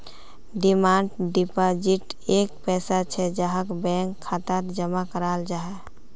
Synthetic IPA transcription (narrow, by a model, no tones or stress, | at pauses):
ɖimaɳɖɖipad͡ʒiʈekpɛːsat͡ʃʰɛd͡ʒaɦakbɛ̃ŋkʰːat̪at̪d͡ʒəmakəɾald͡ʒaɛ